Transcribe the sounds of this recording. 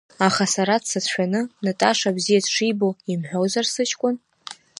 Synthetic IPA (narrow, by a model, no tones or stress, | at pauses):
aχasaɾadsat͡sʰʃᶣanɨnatʼaʂabzijadʰʂijboimħʷᶣowzarsɨt͡ʃʰʼkʷʼʊn